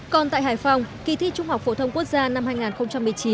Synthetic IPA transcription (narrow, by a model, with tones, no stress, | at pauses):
kɔ˧˩nt̪a̰ː˧˨jɦaː˨˩jjfa˧wŋ͡mki˧˩t̪ʰi˧˥t͡ɕʊ˧ŋ͡mha˨˩wk͡p̚fo̰˧˩t̪ʰə˧ŋ͡mku˦˥ək̚zaː˧na˧mhaː˧jŋaː˨˩nxə˧ŋ͡mt͡ɕa˧mːɨ˨˩əjt͡ɕi˨˦n